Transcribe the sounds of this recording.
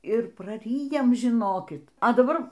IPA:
ɪr prɐˈrʲiːjɛm ʒʲɪˈnoːkʲɪt ɐ dɐˈbɐr

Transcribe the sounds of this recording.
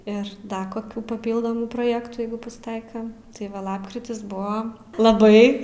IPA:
ɪr ˈdɐ koːˈkʲuː pɐˈpʲiːlˠdoːmuː proːˈjæːktuː ˈjɛɪɡʊ pɐsˈtɐɪkɐ tɐɪ ˈʋɐ ˈlˠɑːpkrʲɪtʲɪs ˈbʊɐ lˠɐˈbɐɪ

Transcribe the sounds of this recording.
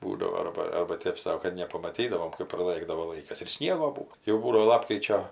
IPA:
ˈbuːdɐʋoː ˈɐrbɐ ˈɐrbɐ ˈtʲeːp sɐʊ kɐt nʲɛpɐmɐˈtʲiːdɐʋoːm kɜp prɐˈlˠɘɡdɐʋoː ˈlˠɐɪkɐs ɪr ˈsʲnʲiɛɡoː ˈbuːoː jɛʊ ˈbuːdɐʋoː ˈlˠɑːpkrʲɪt͡ʃʲoː

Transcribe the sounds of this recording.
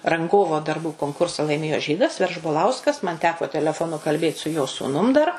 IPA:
rɐŋˈɡoːʋoː dɐrˈbuː koːŋkʊrsɐ lˠɐɪˈmʲeːjoː ˈʒʲiːdɐs ʋʲɛrʒboːˈlˠɐʊskɐs mɐn ˈtʲæːkoː tʲɛlʲɛˈfoːˌnʊ kɐlʲˈbʲeːt sʊ joː suːˈnʊm dɐr

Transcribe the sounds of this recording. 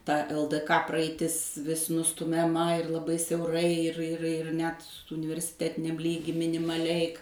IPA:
tɐ ɛlˠ t kɐ prɐɐɪˈtʲɪs ʋʲɪs nʊstʊmʲɛˈmɐ ɪr lˠɐˈbɐɪ sʲɛʊˈrɐɪ ɪr ɪr ɪr ˈnʲɛt ʊnʲɪʋʲɛrʲsʲɪˈtʲæːtʲɪnʲɛm ˈlʲiːɡʲiː mʲɪnʲɪmɐˈlʲɛɪ

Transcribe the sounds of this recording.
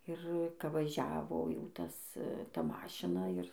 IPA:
ɪr ˈkɐ ʋɐˈʒʲæːʋoː jɛʊ ˈtɐs ˈtɐ ˈmɑːʃʲɪnɐ ɪr

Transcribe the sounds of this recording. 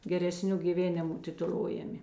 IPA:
ɡʲɛrʲɛˈsʲnʲʊ ɡʲiːˈʋʲeːnʲɪmʊ tʲɪtʊˈlˠoːjɛmʲɪ

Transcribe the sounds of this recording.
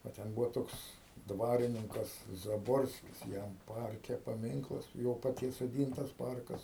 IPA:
ʋɐ ˈtʲɛn ˈbuːʋoː ˈtoːks ˈdʋɑːrʲɪnʲɪŋkɐs zɐˈboːrʲsʲkʲɪs ˈjɛm ˈpɐrʲkʲɛ pɐˈmʲɪŋklˠɐs ˈjoː pɐˈtʲiɛs soːˈdʲiːntɐs ˈpɐrkɐs

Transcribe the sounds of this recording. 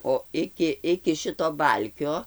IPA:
oː ˈɪkʲɪ ɪkʲɪ ˈʃʲɪtoː ˈbɐlʲkʲoː

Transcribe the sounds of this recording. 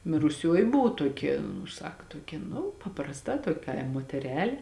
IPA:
mʲɪrʊˈsʲoːjɪ ˈbʊʋʊ ˈtuɔkʲɛ nʊ ˈsɐk tuɔˈkʲɛ nʊ pɐprɐsˈtɐ ˈtuɔkʲ ˈkɐɪm moːtʲɛˈrʲæːlʲeː

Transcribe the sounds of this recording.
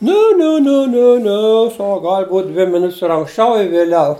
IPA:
ˈnʲɛ ˈnʲɛ ˈnʲɛ ˈnʲɛ ˈnʲɛ ˈsɐk ˈɡɐlʲ buːtʲ ˈdʲʋʲɪ mʲɪˈnʊtʲsʲ ɪr ɐŋksʲˈt͡ʃʲɛʊ ɪ ʋʲeːˈlʲɛʊ

